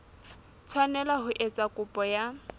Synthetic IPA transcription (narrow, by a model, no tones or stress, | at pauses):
t͡sʰwanɛlaɦʊʔet͡sʼakʼʊpʼɔja